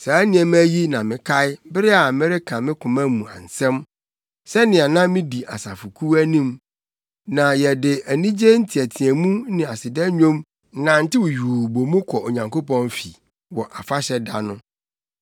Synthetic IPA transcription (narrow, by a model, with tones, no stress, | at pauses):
sa˨æ˦nɪ̃˨ɛ˨m˦æ˦ji˦nã˨mɪ̃˨kʰa˦ɪ˦bɪ˦ɾɪ˦a˨mɪ̃˦ɾɪ˦kʰã˨mɪ̃˦kʰʊ̃˨mæ̃˦mũ˨ã̰˨n̩˨sɛ̃˦m | sɛ˦nɪ̃˨a˨nã˦mɪ̃˦di˨a˨sa̰˨fu˨kʰu˦æ˦nĩ˦m | nã˨jɛ˨dɪ˨æ˨nĩ˦d͡ʑe˦n̩˦tʰi˨æ˨tʰĩ˨æ˨mũ˦nɪ̃˨a˨sɪ˨dɛ˦ɲᶣõ˦m˦ | nã˨n̩˦tɪ˦wʊ˨ɥuː˨bo˨mũ˦kʰɔ˨o˨ɲã˨ŋko˦pɔ̃˦nfi˨ | wɔ˨ʔa˨fa˦ɕɛ˦da̰˨nʊ̃˦